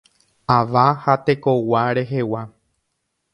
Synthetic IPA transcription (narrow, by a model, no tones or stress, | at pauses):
aʋahat̪e̞ko̞waɾe̞ɦe̞wa